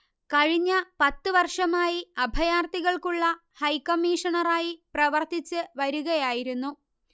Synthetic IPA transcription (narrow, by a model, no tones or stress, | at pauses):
kɐɻiɲːɐpɐt̪ːɨʋɐrʂɐmaːjiɐbʱɐjaːrt̪iɣɐɭkuɭːɐhɐjkɐmːiːʂɐɳɐraːjiprɐʋɐrt̪it͡ɕːɨʋɐɾuɣɐjaːjiɾunːu